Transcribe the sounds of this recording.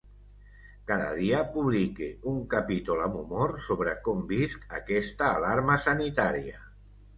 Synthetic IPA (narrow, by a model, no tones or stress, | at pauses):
kaða̰ð̞iapuβlikeuŋkapit̪ulamumoɾsoβ̞ɾakɔmbiskakɛst̪aːlaɾmasanit̪aɾia̰